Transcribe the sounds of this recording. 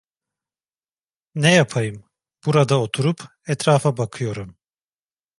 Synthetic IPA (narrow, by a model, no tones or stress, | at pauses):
nɛjapʰajɯm | b̥uɾad̪aot̪ʰuɾupʰ | ɛt̪ɾaːfabakʰɯjo̞ɾum